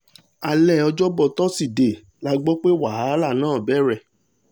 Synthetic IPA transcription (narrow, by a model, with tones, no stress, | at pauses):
a˧lɛ˦˨ɔ˧d͡ʒɔ˦bɔ˦˧tɔ˦si˦˨de˨ | la˧ɡ͡bɔ˦k͡pe˦wa˨ɦa˨˦la˦˨nãː˦˨bɛ˦˨ɾɛ˧˨